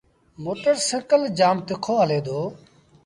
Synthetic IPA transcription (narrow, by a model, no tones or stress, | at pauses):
moːʈəɾsə̃kəld͡ʒaːmt̪ɪkʰoːɦəleːd̪oː